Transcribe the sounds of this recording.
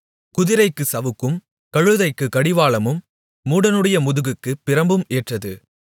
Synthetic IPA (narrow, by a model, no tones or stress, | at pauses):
kʊðɪɾɐɪkːɯsɐʋɯkːɯm | kɐɻɯðɐɪkːɯkɐɽɪʋaːɭɐmɯmː | uːɽɐnɯɽɐjɐmʊðɯɣɯkːɯpːɪɾɐmbɯmeːʈrɐðɯ